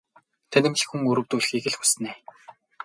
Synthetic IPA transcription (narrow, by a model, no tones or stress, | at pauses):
t̪ʰænʲɪ̆mɮ̆xuŋɵɾɵ̆wt̪uːɮ̆xiɣɘ̆ɮxu̥s̆neː